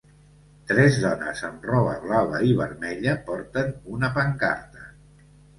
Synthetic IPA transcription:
t̪ɾɛzðɔnə̰zəmrɔβəɣlaβəiβ̞əɾmɛʎəpɔɾt̪ənunəpəŋka̰ɾt̪ə

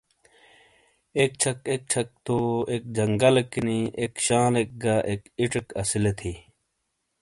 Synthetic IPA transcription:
ek̚t͡ɕʰɐkek̚t͡ɕʰɐk̚t̪oek̚d͡ʑɐŋɡɐlekːiniekɕãːlek̚ɡaʔekiʈekɐsilet̪ʰi

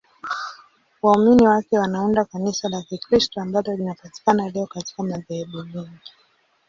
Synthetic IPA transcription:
wauminiwakɛwanaundakanisalakikɾistɔambalɔlinapati̥kanalɛɔkati̥kamaðɛɛɓumɛŋɡi

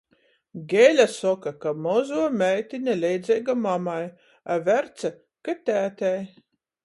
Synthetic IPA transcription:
ɡʲɛlʲasɔkakamɔzuɔmʲɛjt̪ʲinʲɛlʲɛjd̪zʲɛjɡamamaj | avʲæɾt̪sɛ | kat̪ʲæːt̪ʲæj

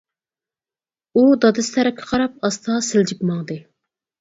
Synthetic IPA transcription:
ud̪ɑd̪ɨst̪ʰæɾɪkʲʰːɪ̥qʰɑɾɑp̚ɑst̪ʰɑsɪld͡ʒipmɑŋd̪ɨ

